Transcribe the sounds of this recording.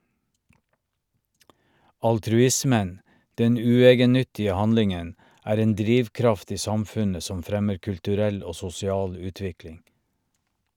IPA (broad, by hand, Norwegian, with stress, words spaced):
ɑltɾʉˈɪsmən ˈdɛn ˈʉːˌeːɡənˌnʏtɪə ˈhɑnlɪŋən ˈæːɾ ˈeːn ˈdɾiːʋˌkɾɑft ˈiː ˈsɑmˌfʉnə ˈsɔm ˈfɾɛməɾ kʉltʉˈɾɛl ˈoː sʊsɪˈɑːl ˈʉːˌtʋɪklɪŋ